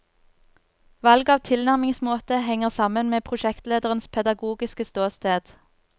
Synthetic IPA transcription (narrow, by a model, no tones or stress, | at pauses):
ʋɑlɡɑːʋt̪ʰɪlnæʁmɪŋsmoːt̪əhɛŋəʁsɑmənmeːpʰʁʊʃɛkt̪leːd̪əʁənspʰɛd̪ɑɡuːɡɪskəst̪oːst̪eːd̪̥